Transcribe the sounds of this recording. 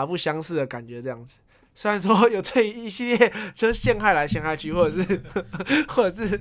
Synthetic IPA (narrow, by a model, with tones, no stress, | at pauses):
pu˥˧˩ɕjɑ˦˥ŋs̩˥˩d̪ə˩ka˨˩nt͡ɕɥɛ˨˦t͡sɤ˥˧jɑ˥˩ŋd͡z̩˨˩ | swe˥˧ɻa˨ns̬wɔ˦jo˨˩ʊt͡se˥˩i˨˦i˧˥ɕi˥˧ljɛ˥˩t͡ɕɕjɛ˥˧nxa˥˩ɪla˧˦ɪɕjɛ˥˧ŋxa˥˧ɪt͡ɕʰy˥˧wɔ˥˩ʈ͡ʂə˨˩ʂɻ̩˥˩ | xwɔ˥˩ʈ͡ʂə˨˩ʂɻ̩˥˩